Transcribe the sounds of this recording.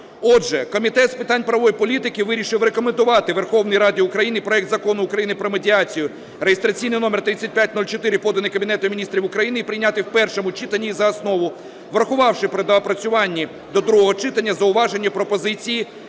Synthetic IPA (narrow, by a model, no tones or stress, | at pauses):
ɔdʒɛkɔmʲit̪ɛt̪spɪt̪ɑnʲpɾɐʋɔjipɔlʲit̪ɪkɪʋɪɾʲiʃɪwrekɔmend̪ʊʋɑt̪ɪʋerxɔwnɪjɾɑdʲɪʊkɾɐjinɪipɾɔɛkt̪zɐkɔnʊːkɾɐjinɪpɾɔmedʲiɑt͡sʲijʊ | ɾejest̪ɾɐt͡sʲijnɪjnɔmert̪ɾɪt͡sʲːɐt̚ʲpʲjatʲnulʲt͡ʃɔt̪ɪɾɪpɔd̪ɐnɪkɐbʲinɛt̪ʊmʲinʲist̪ɾʲiwʊkɾɐjinɪipɾɪjnʲɑt̪ɪwpɛrʃɔmʊt͡ʃɪt̪ɐnʲːiːzɐɐsnɔʋʊ | ʋɾɐxʊʋɑwʃɪpɾɪd̪ɐɐpɾɐt͡sʲʊʋɑnʲːi | d̪ɔd̪ɾuɦɔɦɔt͡ʃɪt̪ɐnʲːɐzɐʊʋɑʒenʲːɐpɾɔpɔzɪt͡sʲiji